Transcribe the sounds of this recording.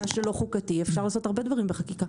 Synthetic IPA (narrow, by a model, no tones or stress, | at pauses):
aʃelo̞χukatiefʃaʁlaːso̞taʁbe̞dvaʁimbeχakika